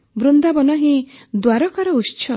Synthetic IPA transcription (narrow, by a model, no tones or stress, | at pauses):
bɾund̪abɔnɔɦĩd̪waɾɔkaɾɔust͡ʃʰɔ